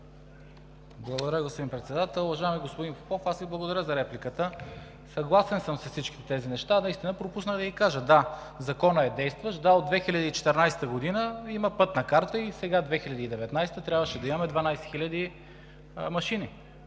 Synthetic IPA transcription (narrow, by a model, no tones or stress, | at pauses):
blˠɐɡod̪ɐɾjəɡospod̪inpɾɛt̪sɛd̪at̪ɛlˠʊvɐʒaɛmiɡospod̪infopɔfasviblˠɐɡod̪ɐɾʲəzɐɾɛplikət̪ə | sɐɡlˠasɛnsəmsɐfsit͡ʃkit̪ɛt̪ɛzinɛʃt̪anɐist̪inəpɾopusnəɣd̪ɐikaʒəd̪a | zɐkɔnəɛd̪ɛjst̪vəʃd̪aod̪̚vɛxilʲɐd̪iːt͡ʃɛ̥t̪ɛɾnajsɛ̥t̪əɡod̪inəiməpɤt̪nɐkaɾt̪əisɛɡad̪vɛxilʲɐd̪iːd̪ɛvɛt̪najsɛt̪ət̪ɾʲabvəʃɛd̪ɐimɐmɛd̪vɐnajsɛ̥xilʲɐd̪i | mɐʃini